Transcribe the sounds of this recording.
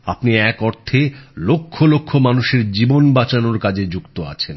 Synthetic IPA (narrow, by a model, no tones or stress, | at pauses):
apniɛkɔɾt̪ʰelokʰːolokʰːomanuʃeɾd͡ʑibonbat͡ɕanoɾkad͡ʑʱed͡ʑukt̪oa̰t͡ɕʰen